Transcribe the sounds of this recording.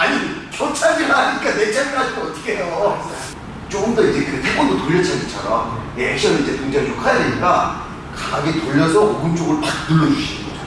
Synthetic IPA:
aɲit͡ɕʰot͡ɕʰaɡiaɲik͈anet͡ɕʰamiɾɦaɕʰinnʌt͈ʰə̥kʰeɦejo | t͡ɕ͈okɯmdʌid͡ʑe̞kɯtʰebondotoʎːʌt͡ɕʰaɡɯt͡ɕʰʌɾʌmjeekɕ͈ʌnɯnid͡ʑe̞tuŋd͡ʑaŋd͡ʑokʰajaeɲik͈a | kaɡetoʎːʌsʰʌkoɡɯnt͡ɕ͈oɡɯɭpak̚n͈ɯɭːʌd͡ʑuɕʰinɡoa

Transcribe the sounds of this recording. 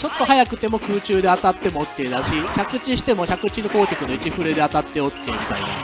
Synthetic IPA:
t͡ɕo̞t̪ːo̞ɦajakɯ̟t̪e̞mo̞kɯ̟ːt͡ɕɨːd̪e̞at̪at̪ːe̞moot̪ːed̪aɕiçakɯ̟t͡ɕiɕi̥t̪e̞mo̞çakɯ̟t͡ɕinoko̞ːkʲo̞kɯ̟no̞it͡ɕiɸɯ̟ɾe̞d̪e̞at̪at̪ːe̞o̞t̪ːḛmʲit̪a̰ina̰

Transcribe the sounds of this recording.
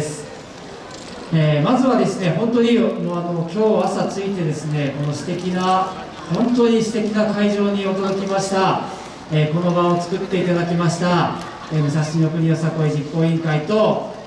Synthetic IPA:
sɨ̥ | eːmazɨβad̪e̞sɨne̞ɦõ̞nt̪o̞ɲ̟imoːano̞kʲo̞ːasat͡sɨit̪e̞d̪e̞sɨne̞ko̞no̞ɕi̥t̪e̞kʲina | hõ̞nt̪o̞ːɲ̟iɕɨ̥t̪e̞kʲinakaiʑo̞ːɲ̟io̞t̪o̞d̪o̞kʲimaɕi̥t̪a | eːko̞no̞bãɰ̃ot͡sɨ̥kɯ̟t̪ːe̞it̪ad̪akʲimaɕi̥t̪a | eːmɯ̟saɕiinokɯ̟ɲ̟ʲiosako̞id͡ʑikːo̞ːĩŋkait̪o̞

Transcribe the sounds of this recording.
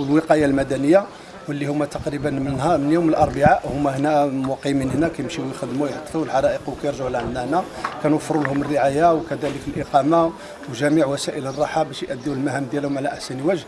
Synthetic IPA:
əlwiqɑjalmæd̪ænəjːa | wəlːihʊmːæt̪ɑqɾibənmənhɑˤmənjuməlʔɑɾˤbaʕaʔhʊmːæhnæmuqiminhnækæjəmʃiwjxəd̪ːmujħt̪ˤːt̪ˤuwəlħɑɾˤɑʔəqwkæjəɾˤʒaʕlaʕənːæhnækænufɾˤulhʊmərːəʕajawkæd̪æləkəlʔeqɑma | wʒæmiʕwæsæʔələrˤːɑħabæʃjʔæd̪ːilmæhæmd̪jælhʊmʕlæʔaħsænwæʒ

